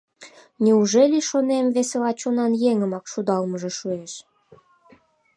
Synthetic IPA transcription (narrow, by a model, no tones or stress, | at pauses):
nʲiuʒelʲiʃonemveselɑt͡ɕonɑnjeŋəmɑkʃud̪ɑlməʒĕʃueʃ